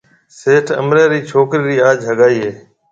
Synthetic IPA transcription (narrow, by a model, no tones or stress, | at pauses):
seːʈʰə̰mɾeːɾiːt͡ʃʰoːkɾiːɾiːaːd͡ʒɦəɠaːiːɦeː